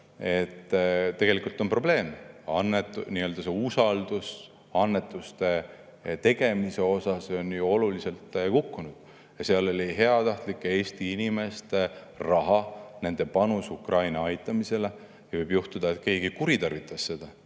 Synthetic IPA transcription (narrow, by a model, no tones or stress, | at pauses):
e̞t̪ːt̪e̞ɡ̥e̞likult̪ːˑo̞npro̞ble̞ːmɑnːet̪ːˑniø̞ld̪̥ɑse̞usɑld̪̥us | ɑnːe̞t̪ːˑust̪e̞ | t̪e̞ɡ̥e̞mise̞o̞sɑso̞njuo̞lulise̞lt̪ːˑkukːunud̪̥ | jɑseɑlo̞lʲiɦe̞ɑt̪ɑht̪likːˑee̞ːst̪iinime̞st̪e̞ | rɑɦɑne̞nd̪e̞pɑnusukrɑjnɑɑjt̪ːˑɑmise̞le | jɑvɤjbjuht̪ud̪̥ɑet̪̚ke̞ːɡ̥ikuɾit̪ɑrvit̪ˑːɑsːe̞d̪̥ɑ